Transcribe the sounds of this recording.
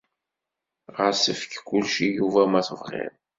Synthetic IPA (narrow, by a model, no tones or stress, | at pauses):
ʁəɾsəfə̥kkːulʃijuvæmæθəvʁɪ̰ɾ